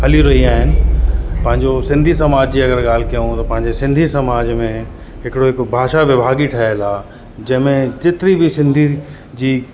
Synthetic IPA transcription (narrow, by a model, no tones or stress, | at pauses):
ɦɐliɾɐɦiaːɦɪnɪ̆pɐ̃ɦɪ̃ɲd͡ʑosɪ̃nd̪ʱisɐmaːd͡ʑd͡ʑiːɐɡəɾɠaːl̤kijõt̪ɐpɐ̃ɦɪ̃ɲd͡ʑesɪ̃nd̪ʱisɐmaːd͡ʑmẽ | ɦɪkɪɽoɦɪkbʱaːʃaʋɪbʱaːɡiʈʰɐɦəlaː | d͡ʑɐ̃ɦmẽd͡ʑɪt̪ɪɾibʱɪsɪ̃nd̪ʱi | d͡ʑiː